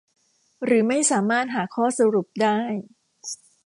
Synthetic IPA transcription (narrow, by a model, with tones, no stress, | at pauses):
ɾɯː˩˦ma˥˩jsaː˩˦maː˥˩t̪̚ɦaː˩˦kʰɔː˥˩sa˧ɾu˨˩p̚daː˥˩j